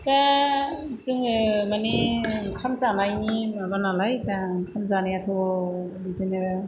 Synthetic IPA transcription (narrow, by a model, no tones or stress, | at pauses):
ta | sɯŋɯmaniŋkʰamzanajnimabanalajtaŋkʰamzanijatʰɯ | bitɯnɯ